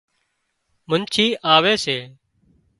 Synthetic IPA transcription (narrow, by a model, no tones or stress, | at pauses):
mənt͡ʃʰiːʔaːʋeːseː